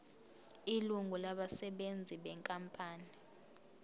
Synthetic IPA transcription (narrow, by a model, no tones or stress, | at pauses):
iluŋɡʱulaɓasɛɓend͡zʱiɓɛŋkʼampʼaːni